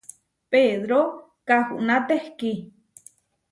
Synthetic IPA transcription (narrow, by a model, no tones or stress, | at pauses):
peðɾo | kahṵʔnat̪ehki